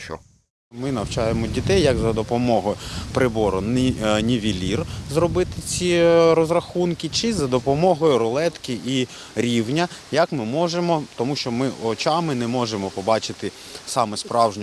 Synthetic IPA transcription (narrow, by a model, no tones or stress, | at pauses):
t͡ʃɔ̰ | mɪnɐwt͡ʃɑjemɔdʲit̪ɛjːɐɡzɐd̪ɔpɔmɔɦɔjʊpɾɪbɔɾʊnnʲiʋʲilʲirzɾɔbɪt̪ɪt͡sʲiɾɔzɾɐxunkɪt͡ʃɪzɐd̪ɔpɔmɔɦɔjʊɾɔlˠɛt̪kɪi | ɾʲiwnʲɐjɐkmɪmɔʒemɔt̪ɔmuʃt͡ʃɔmɪɔt͡ʃɑmɪnɛmɔʒemɔpɔbɑt͡ʃɪt̪ɪ | sɑmɛspɾɑwʒnʲ